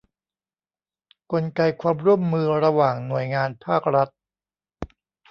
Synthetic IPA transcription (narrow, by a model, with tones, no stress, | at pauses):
ko˧nka˧jkʰwaː˧mɾu˥˩əmːɯː˧ɾa˧waː˨˩ŋnu˨˩əjŋaː˧npʰaː˥˩k̚ɾa˦˥t̪̚